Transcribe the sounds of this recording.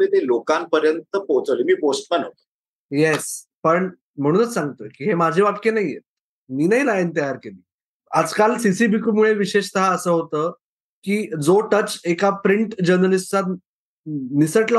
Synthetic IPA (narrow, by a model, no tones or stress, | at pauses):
et̪elokampəɾjənt̪əpot͡səlemiːposʈ̚manot̪ | jes | pəɳ | m̤əɽ̃uːnət͡ssãŋɡt̪ə̰kiːɦemad͡ʑʱebap̚kenaɦijḛ | miːnaɦiɾajent̪əjaɾkeliː | ad͡zkalsisibʱiːkumuɭeʋiɕeɕt̪əɦaəsəːɦot̪əː | kiːd͡zoʈət͡ɕekapɾiɳʈd͡ʑəɾnəlist͡sat̪ | nisəʈlə